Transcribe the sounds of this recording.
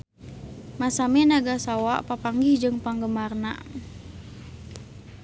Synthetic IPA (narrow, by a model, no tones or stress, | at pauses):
masamɛnaɡasawaʔpapaŋɡihd͡ʒɨŋpaŋɡəmarna̰ʔ